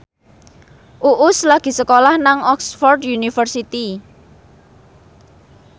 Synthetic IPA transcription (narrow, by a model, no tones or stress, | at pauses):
ʔuʔʊslaɡ̥i̤səkolahnaŋɔksfɔrd̪junifərsit̪i